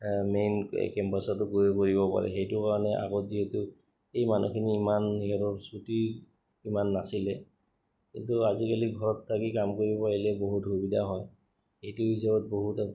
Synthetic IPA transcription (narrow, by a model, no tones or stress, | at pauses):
mejn̰kɛmpasatʊɡujekoɹibɔpa̰ɹɛ̰xejtʊkaɹɔnɛʔa̰ɡotziɦɛtʊ | ejmanʔṵkʰiniːmanɦiɦɛtɔsuti | imanːasilɛ | kḭntuazikaliɡʱɔɹɔtʰːakikamkoɹibɔpaɹilɛboɦuthubidʱaɦɔj | ejtʊɦisabɔt̚boɦuta